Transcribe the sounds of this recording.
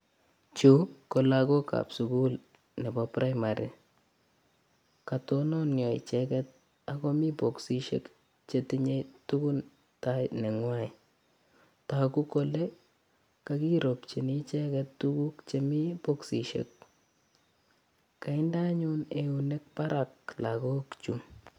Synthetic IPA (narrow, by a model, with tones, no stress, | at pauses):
t͡ʃu˦kɔ˨lakɔ˦ka̰˨psu˨ku˦l | nɛ˨bɔpɾa˦maɾʔḭ˨ | ka˨tonɔ˦njɔ˨ḭ˨t͡ʃɛkɛt̪̚ | a˨kɔ˦mi˦pɔ˨ksi˦ʃḛ˦k | t͡ʃeti˦ɲe˦tu˦ku˦n | tajnɛ˨ŋwa˦i˨ | ta˨ku˦kɔ˦lɛ˦ | kaki˦ɾo˨pt͡ʃi˨ni˦t͡ʃɛkɛttuku˦kt͡ʃemi˦po˦ksi˨ʃḛ˦k̚ | ka˨ɪnda˦ɲune˨une˦k̚pa˦ɾʔa˨k̚lako˦kt͡ʃu˦m